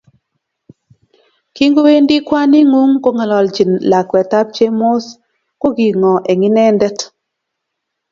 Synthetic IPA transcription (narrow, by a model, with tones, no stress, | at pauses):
ki˦ŋɡo˦we˦ndi˦kwa˦ni˦ŋu˦ŋko˦ŋa˨lɔ˨ld͡ʒi˨nla˨kwɛ˨ta˦p̚t͡ʃe˦mo˦s | ko˦ɡi˨ŋɔ˨ʔe˨ŋi˦nɛ˦ndɛ˦t